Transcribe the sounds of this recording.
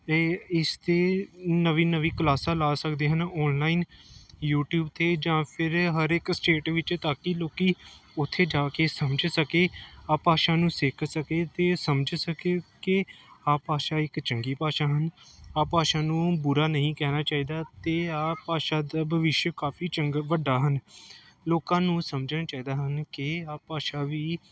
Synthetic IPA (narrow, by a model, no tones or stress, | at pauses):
ɪst̪eːnəʋiːnəʋiːkəlaːsãːlaːsəkd̪eːɦənɔːnlaːiːnjuːʈjuːbt̪ʰeːd͡ʒãːpʰɪɾɦəɾɪksʈeːʈʋɪt͡ʃt̪aːkiloːkiːʊt̪ʰːeːd͡ʒaːkeːsəmd͡ʒsəkeːaːpaːʃaːnũːsɪkʰsəkeːt̪eːsəmd͡ʒsəkeːkɪaːpaːʃaːɪkt͡ʃəŋɡiːpaːʃaːɦənaːpaːʃaːnũːbʊɾaːnəɦĩːkɛːnaːt͡ʃaːiːd̪aːt̪eːaːpaːʃaːd̪aːbʱəʋɪʃjəkaːfʰiːt͡ʃəŋɡʋəɖaːɦən | loːkãːnũːsəmd͡ʒənat͡ʃaːiːd̪aːɦənkɪaːpaːʃaːʋiː